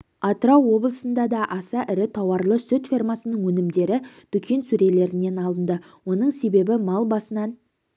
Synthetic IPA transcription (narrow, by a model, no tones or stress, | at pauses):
ɑt̪ɾɑwːo̞blˠəsənd̪ɑd̪ɑʔɑsɑʔɪɾɪt̪ʰɑwɑɾlˠəsʏt̪fʲirmɑsənəɴwɵnɪmd̪e̞ɾɪd̪̥ʏkʲʰe̞nsuɾe̞le̞ɾɪne̞nɑlˠənd̪ə | wo̞nəɴse̞be̞bɪmɑlˠbɑsənɑn